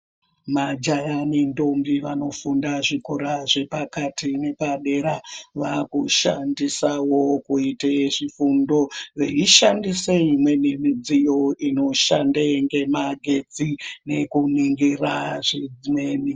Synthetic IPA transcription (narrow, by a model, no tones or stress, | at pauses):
mad͡ʒajanindo̞mbiʋano̞fundaʐikoɾaʐe̞pakatine̞paɗe̞ɾaʋakuʃandisawo̞kuiteʐifundo̞reiʃandiseimwe̞ne̞mid͡zijo̞ino̞ʃandeŋɡe̞maɡʱe̞d͡zine̞kuniŋɡiraʐed͡zimeːni